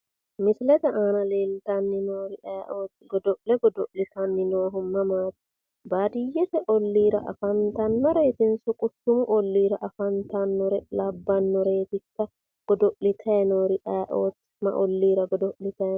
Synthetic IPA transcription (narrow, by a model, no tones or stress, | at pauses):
mɪslɛt̪ɐʔaːnɐle̞ːlt̪ɐnːɪnoːɾɪʔaːʔoːt̪ːɡɔd̪ɔʔlɛɡɔd̪ɔʔlɪt̪ɐnːɪnoːɦʊmːɐmaːt̪ɪ̥ | baːd̪ɪjːɛt̪ɛʔɔlːiːɾɐ̰ʔɐ̰fɐnt̪ɐnːɔɾe̞ːt̪ɪnsʊkʼʊt̪ːʊmʊʔɔlːiːɾɐʔɐfɐnt̪ɐnːɔɾɛlɐbːɐnːɔɾe̞ːt̪ɪkːɐ | ɡ̥ɔd̪ɔʔlɪt̪ʰɐjɛnoːɾɪʔaːʔoːt̪ː | mɐ̰ʔɔlːiːɾɐɡɔd̪ɔʔlɪt̪ɐɛ